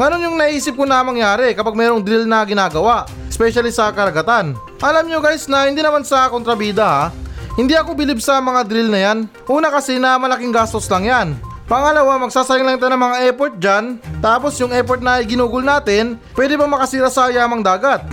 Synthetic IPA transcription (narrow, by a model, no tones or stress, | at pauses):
ŋɐno̞njʊŋnɐʔʔiːsɪp̚konɐmɐŋjaːɾɛkɐpaɡ̚mɛːɾo̞ŋd̪ɾilnɐɡɪnaːɡɐwaʔ | ɪspɛʃɐlisɐkɐɾɐɡɐt̪an | ʔɐlamɲoɡaːjɪsnɐhɪnd̪iːnɐmansɐkont̪ɾɐbiːd̪ɐhahɪnd̪iɐko̞bɪlibsɐmɐŋad̪ɾilnɐjan | ʔuːnɐkɐsɛnɐmɐlɐkiŋɡaːst̪o̞slɐŋjan | pɐŋɐlɐwamɐɡ̚saːsɐɾɪŋlɐŋɪt̪anɐŋmɐŋaʔɛpoɹt̪̚d͡ʒant̪aːpo̞sjʊŋʔɛpoɹt̪̚nɐɪɡɪnuːɡʊlnaːt̪ɪnpwɛːd̪ɪpɐmɐkɐsiːɾɐsɐjaːmɐŋd̪aːɡɐt̪̚